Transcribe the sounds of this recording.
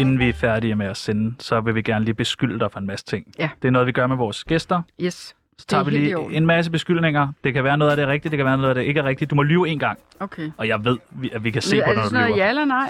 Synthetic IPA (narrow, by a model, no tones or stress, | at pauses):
e̝nn̩ʋiæfæɐɾiəmeæsenəsɒ̽ʋe̝ʋiɡ̥æɐnəliːb̥e̝sɡ̥yl̰əd̥ɑfʁɑenmæsə̥t͡sʰe̝ŋ̰d̥e̝æɐnɔ̽ð̩ˠʋiɡ̥ɶɐmeʋɒːsɡ̥esd̥ɐs | sɒ̽t͡sʰɑ̰̈ʋiliːe̝nmæs̬əb̥e̝sɡ̥yl̰ne̝ŋ̰ɐd̥e̝kʰæʋæːɐnɔ̽ðˠædɾ̥eʁɛɡ̥d̥idd̥ekʰæʋæːɐnɔ̽ːð̩ˠæd̥e̝ʔe̝ɡ̥əʁɛɡ̥̚d̥id̥umɒ̽lyːe̝̰ːnɡ̥ɑ̈ŋ̰ | okʰeɒ̽jɑ̈ɪʋe̝ð̞̰ˠʋiæʋikʰæse̝̰ːɒ̥uælɐnɑɪ̰